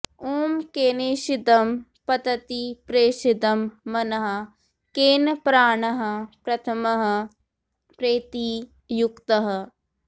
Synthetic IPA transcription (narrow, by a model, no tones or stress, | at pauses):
oːmkeːneːʃid̪ɐmpɐd̪ɐt̪ipɾeːʃid̪ɐmːɐnɐɦɐ̆ | keːnpɾaːɳɐɦɐ̆pɾɐt̪ʰɐmɐɦɐ̆ | pɾeːt̪i | jukt̪ɐɦɐ̆